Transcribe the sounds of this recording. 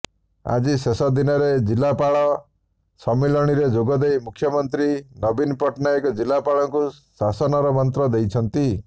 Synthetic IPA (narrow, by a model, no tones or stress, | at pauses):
a̰d͡ʒisesɔd̪inɔɾed͡ʒilːapaɭɔ | sɔmelɔɽ̃iɾed͡ʒoɡɔd̪ejmukʰːjɔmɔnt̪ɾinɔbinpɔʈnajkɔd͡ʒilːapaɭɔŋkusasɔnɔɾɔmɔnt̪ɾɔd̪ejt͡ʃʰɔnt̪i